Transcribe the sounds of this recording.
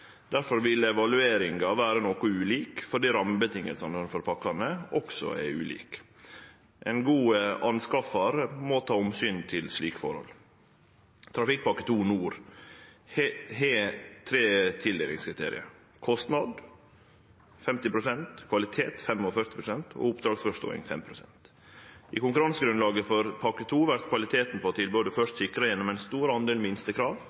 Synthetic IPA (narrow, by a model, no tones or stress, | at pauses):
d̪̥æɾfɔɾʋɪlːəɛʋɑlʉeːɾɪŋɡɑʋæːɾənoːkʊʉːliːkfɔɖiːɾɑməbət̪ʰɪŋːə̰lsɑnd̪ɛnfɔɾpʰɑkːɑnəʔɔksɔ̰ɛ̰ʉ̰ːlḭːk | ʔɛnɡuːəʔɑnskɑfɑɾəmɔt̪ʰɑːʊmsyːnt̪ʰɪlsliːkfɔ̰ɾhɔ̰lː | t̪ʰɾɑfɪk̚ːpɑkːə̥t̪ʰuːnuːɾ | ɦeːt̪ʰɾeːt̪ʰɪld̪eːlɪ̰ŋskʰɾɪt̪ʰḛːɾɪ̰ə̰ɾ | kʰɔst̪nɑd̪ | fɛmt̪ɪpɾʊsɛnt̪kʰʋɑlɪt̪ʰeːt̪fɛmɔfœɾt̪ɪ̥pɾʊsɛnt̪ʰɔ̰ːʊpd̪ɾɑːɡsfɔʂt̪o̰ːɪ̰ŋfɛ̰mpʰɾʊsɛ̰nt̪ | ʔɪkʊŋkʉɾɑnsəɡɾʉnlɑːɡəfɔɾpʰɑkət̪ʰuːʋæɾt̪kʰʋɑlɪt̪ʰeːt̪n̩pɔːt̪ʰɪlbøːd̪əfœʂt̪sɪkɾɑjɛnːɔmɛɪnst̪uːɾəɑnd̪eːlmɪnst̪əkʰɾɑːʋ